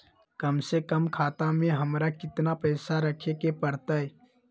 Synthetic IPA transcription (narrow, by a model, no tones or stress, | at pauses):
kəmsekəmkʰaːt̪amẽɦəmɾakɪt̪napɛːsaɾəkʰekepəɾt̪aɛ